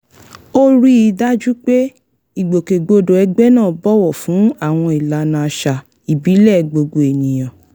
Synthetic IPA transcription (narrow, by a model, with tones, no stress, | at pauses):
o˦ɾi˦i˧˦da˦d͡ʒu˦k͡pe˦ | i˦˨ɡ͡bo˨ke˨ɡ͡bo˧do˨ɛ˧ɡ͡bɛ˦nãː˦˨bɔ˦wɔ˦˨fũ˨˦a˦˨w̃ɔ̃˧i˨la˨˦nã˧a˧ʃa˨ | i˨bi˨˦lɛ˦˨ɡ͡bo˧ɡo˧e˨nĩ˨j̃ɔ̃˨